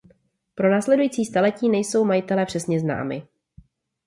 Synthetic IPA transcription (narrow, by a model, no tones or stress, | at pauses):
pɾo̞naːslɛdujiːt͡siːst̪alɛciːnɛjso̞wmajɪt̪ɛlɛpr̝̥ɛsɲɛzna̰ːmɪ̰